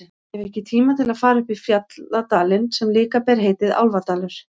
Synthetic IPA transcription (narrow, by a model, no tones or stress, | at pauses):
ɛvɛhcɪt̪ʰiːmat̪ʰɪlaðfaːɾaʏpifjat̪lat̪aːlɪnsɛmlɪːkapɛɾ̥ɦeːjt̪ɪða̰wlvat̪aːlʏɾ̥